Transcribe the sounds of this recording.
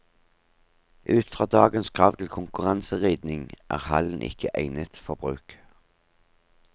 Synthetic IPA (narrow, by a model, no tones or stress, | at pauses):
ʔʉːt̪fʁɑːd̪ɑːɡənskʰʁɑːʋt̪ʰl̩kʰʊŋkʉʁɑnsəʁiːd̪nɪŋʔæ̰ːʁhɑ̰ln̩ʔɪ̰kəʔæɪnət̪fɔʁbʁʉːk